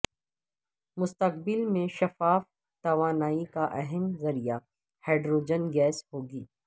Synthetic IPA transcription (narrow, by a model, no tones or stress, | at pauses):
mʊst̪əq̚bɪlmẽʃɐfaːf | t̪ɐʋaːnaːikaʔɛɦɛmzɐɾija | hɛːɖɾoːd͡ʒənɡɛːsɦoːɡiː